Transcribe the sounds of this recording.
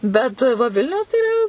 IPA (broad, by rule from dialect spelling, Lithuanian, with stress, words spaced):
bʲɛt ʋɐ ˈʋʲɪlʲnʲɛʊs tɐɪ ɪˈrɐ